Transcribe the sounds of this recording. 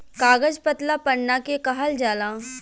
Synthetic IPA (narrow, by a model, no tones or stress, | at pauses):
kaːɡəd͡ʒpɐt̪lapɐɽnakekɐɦəld͡ʒaːlãː